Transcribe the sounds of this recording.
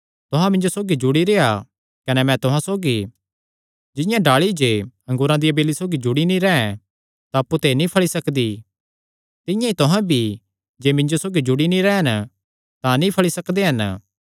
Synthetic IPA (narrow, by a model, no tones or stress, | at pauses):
t̪ʊɦãmɪ̃ɲd͡ʒosoːɡid͡ʒʊɽiɾeːa | kɐnɛmɛ̃t̪ʊɦãsoːɡi | d͡ʒɪ̃jãɖaːɭid͡ʒeːɐ̃ŋɡʊːɾãd̪iɐbeːlisoːɡid͡ʒʊɽinĩɾɛɛ̃ | t̪aɐpːut̪enĩpʰɐɭisɐkd̪i | t̪ɪ̃jãit̪ʊɦãbʱi | d͡ʒeːmɪ̃ɲd͡ʒosoːɡid͡ʒʊɽinĩɾɛːɦɐn | t̪ãnĩpʰɐɭisɐkd̪eɦɐn